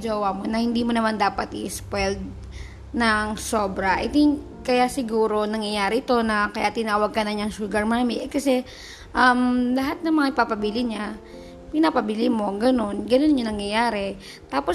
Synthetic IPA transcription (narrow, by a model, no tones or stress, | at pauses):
d͡ʒɐwamonɐhɪnd̪iːmonɐmand̪aːpɐt̪ɪspwɛld̪̚ | nɐŋsoːbɾɐʔɐ̰t̪ɪŋk | kɐjasɪɡuːɾo̞nɐŋjɐjaːɾɛʔɪt̪o̞nɐkɐjat̪ːɪnaːwɐɡ̚kɐnɐɲaŋʃuːɡɐɹmaːmiʔɛkɐsɛ | ʔɐmlɐɦat̪̚nɐŋmɐŋaɪpapɐbilɪɲa | pɪnapɐbɪlimo̞ɡɐno̞nɡɐnonɲonɐŋjɐjaːɾɛ | t̪aːpo